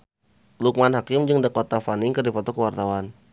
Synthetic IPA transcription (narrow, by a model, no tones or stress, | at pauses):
luk̚manɦakɪmd͡ʒɨŋdəkɔt̪afanɪŋkɨrdifɔt̪ɔkəwart̪awan